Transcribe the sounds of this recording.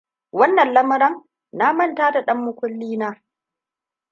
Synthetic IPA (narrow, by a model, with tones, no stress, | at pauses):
wɐ˦nːɐ˨nlɐ˦mɐ˦ɾɐ˦ŋ | naː˦mɐ˦˨ntaː˦da˨ɗɐ˦mːʊ˦kʷʊ˦lːiː˦naː˦